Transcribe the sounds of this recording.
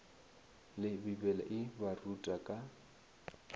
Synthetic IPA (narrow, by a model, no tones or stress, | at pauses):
lɪbibɛla̰ʔɪbarutʼakʼa